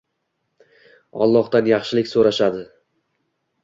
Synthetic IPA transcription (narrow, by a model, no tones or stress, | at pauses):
ɒ̰lˠːɒhd̪anjɑχʃɪlɪkʲsoɾaʃad̪ɪ